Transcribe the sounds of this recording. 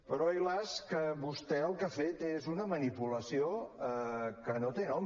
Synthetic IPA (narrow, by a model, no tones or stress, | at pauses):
pəɾɔilaskəβust̪ɛəlˠkafet̪ezunəmənipuləsioəkənot̪enɔm